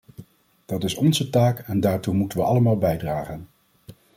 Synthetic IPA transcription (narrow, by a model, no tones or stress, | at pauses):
d̥ɑtɪsɔnzətaːkɛndaːɹtumutənʋəʔɑləmaːlˠbɛjdraːχən